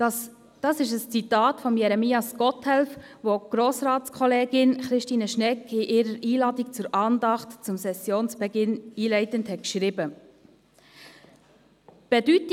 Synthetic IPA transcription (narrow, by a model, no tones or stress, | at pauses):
d̥ɑːsɪʃəst͡sitɑːtfɔmjɛɾɛmiːɑskɔtʰhɛlfʋoɡ̥ɾoːsɾɑːtt͡skʰχɔleːɡɪnχɾɪʃtiːnəʃnɛkʰɪʔɪːɾəɾiːlɑːdikt͡sʊɾʔɑːndɑχtt͡sʊmsɛsjoːnsb̥ɛɡɪniːlɛɪtənthɛt̚kʃɾɪːbə | b̥ɛdyt